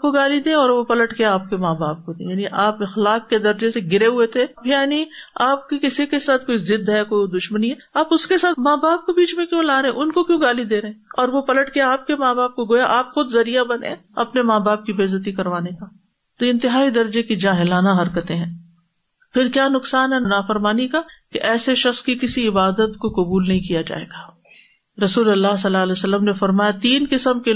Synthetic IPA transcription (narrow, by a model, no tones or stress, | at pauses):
koɡaːlid̪ẽɔːɾʋopɐləʈkeaːp̚kemaːbaːp̚kod̪ḛ̃jaːniʔaːpɪxlaːqːed̪ɐɾd͡ʒeseɡɪɾeɦʊet̪ʰejaːniaːp̚kikɪsikesaːt̪ʰkoːizɪd̪ʱɦɛkoːid̪ʊʃməniɦɛ | aːpʊskesaːt̪maːbaːp̚kobiːt͡ʃmẽkjõlaːɾeɛ̃ʔʊnkokjõːɡaːlid̪eːɾeɛ̃ɔːɾʋopɐləʈkeaːp̚kemaːbaːp̚koɡoːjaʔaːpxʊd̪zɐɾijabɐnḛ̃ɐpnemaːbaːp̚kibeːzət̪̬ikɐɾʋaːneka | t̪oɪ̃nt̪ɪɦaːid̪ɐɾd͡ʒekid͡ʒaːɦɪlaːnaɦɐɾkət̪eɦɛ̃ː | pɪɾkjaːnʊqsaːnɦɛnaːfɐɾmaːnikakeʔɛːseʃɐkskikɪsiɪbaːd̪ət̪kokɐbuːlnɐɦĩkijad͡ʒa̰ːḛːɡaː | ɾɐsuːlɐlːaːs̬ɐlːaːɐleːsɐlːəmnefɐɾmaːjat̪iːnkɪsəmke